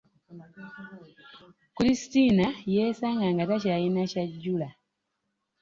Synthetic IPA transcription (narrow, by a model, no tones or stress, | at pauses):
kulisitinajeːsaːŋɡaŋɡatacajinacaɟːula